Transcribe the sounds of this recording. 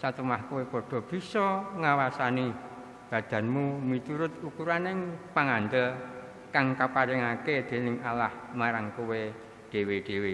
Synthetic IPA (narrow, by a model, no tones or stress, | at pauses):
sat̪əmahkuwepɔɖ̥ɔ̤b̥i̤sɔŋawasani | b̥ä̤d̪̥ä̤nmumit̪uɾʊt̪̚ukuɾanɪŋpaŋand̪əl | kaŋkapaɾɪŋaked̪̥e̤nɪŋalahmaɾaŋkowe | ɖ̥e̤weɖ̥e̤we